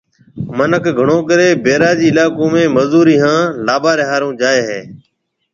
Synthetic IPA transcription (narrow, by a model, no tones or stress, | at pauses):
mənəkʰɡʱəɳoːkəɾeːbeːɾaːd͡ʒiːɪlaːkõːmẽːməzuːɾiːɦãːlaːbaːɾeːɦaːɾõːd͡ʒaːeːɦeː